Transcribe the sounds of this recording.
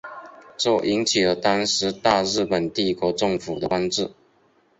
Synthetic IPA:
ʈ͡ʂo˥˩ʔi˧˥ŋt͡ɕʰi˨˩lə˧˩t̪ɑ˥ŋʂɻ̩˧˥t̪a˥˧ɻɻ̩˥˩pə˨˩nt̪i˥˩kwɔ˧˥ʈ͡ʂɤ˥˩ŋfu˨˩d̪ə˦a˥ŋʈ͡ʂɻ̩˥˩

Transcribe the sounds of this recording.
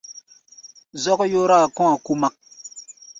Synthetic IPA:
zɔ˦kjoː˦ɾa˦˨kɔ̃˦a˨ku˦ma˦k̚

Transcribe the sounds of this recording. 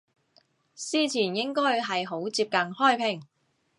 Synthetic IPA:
siː˥t͡sʰiː˨˩njɪ˥ŋkɔː˥jɦɐ˨jɦo˨˥wt͡siː˧p̚kɐ˧ŋhɔː˥˩jpʰɪ˨˩ŋ

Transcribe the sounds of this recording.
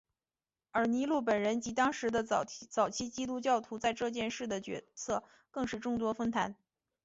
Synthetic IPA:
ə˞˧˥ni˧˥lu˥˩p̬ə˨˩nɻə˧˥nt͡ɕi˧˥t̪ɑ˥ŋʂɻ̩˧˥d̪ə˧t͡sɑ˨˩ʊt͡ɕʰi˥t͡ɕi˥t̪u˥t͡ɕjɑ˥˩ʊt̪ʰu˧˥t͡sa˥˧ɪʈ͡ʂɤ˥˧t͡ɕjɛ˥˧nʂɻ̩˥˩d̪ə˩t͡ɕɥɛ̰˧˥sʰɤ˥˧ | kɤ˥˧ŋʂɻ̩˥˧ʈ͡ʂʊ˥˩ŋt̪wɔ˥fə˥nt̪ʰa˧˥n

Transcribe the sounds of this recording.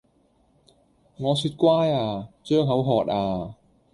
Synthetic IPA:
ŋɔː˨˧syː˧t̚kʷwaː˥jaː˧t͡ʃœː˥ŋɦɐ˨˥wɦɔː˨˩t̚aː˧

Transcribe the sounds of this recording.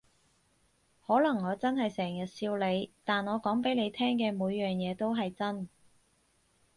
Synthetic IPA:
hɔː˨˥lɐ˨˩ŋːɔː˨˧t͡sɐ˥nɦɐ˨jsɛː˨˩ŋjɐ˨t̚siː˧wle˨˧jt̪aː˨nŋɔː˨˧kɔː˨˥ŋpe˨˥le˨˧jt̪ʰɛː˥ŋkɛː˧muː˨˧jːœː˨˩ŋjɛː˨˧t̪o˥wɦɐ˨jt͡sɐ˥n

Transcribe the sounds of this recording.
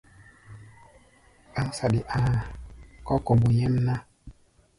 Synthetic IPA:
a˦ŋ˦sa˨di˨ʔa˨kɔ˦ko˨bu˨ɲɛ˦n˦na˦

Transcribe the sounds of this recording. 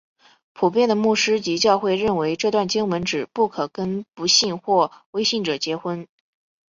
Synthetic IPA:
pʰu˨˩p̬jɛ˥˩nd̪ə˩mu˥˩ʂɻ̩˥t͡ɕi˧˥t͡ɕjɑ˥˧ʊxwe˥˧ɪɻə˥˩nwe˧˥ɪʈ͡ʂɤ˥˧t̪wa˥˩nt͡ɕi˥ŋwə˧˥nʈ͡ʂɻ̩˨˩pu˥˩kʰɤ˨˩kə˥npu˧˥ɕi˥˧ŋxwɔ˥˩we˥ɪɕi˥˩ŋʈ͡ʂɤ˨˩t͡ɕjɛ˧˥xwə˥n

